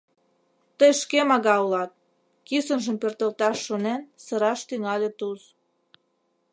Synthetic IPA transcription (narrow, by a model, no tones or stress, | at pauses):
t̪əjʃkemɑɣɑulɑt̪̚ | kisənʒəmpert̪əlt̪ɑʃːonensəɾɑʃt̪yŋɑlʲet̪uz